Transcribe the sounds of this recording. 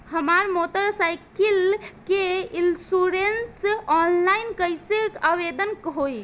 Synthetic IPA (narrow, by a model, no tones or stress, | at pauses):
həmaɾmotəɾsajkilkeinlsuɾensɔnlaɪnkəjsekaʋed̪ənkɦoj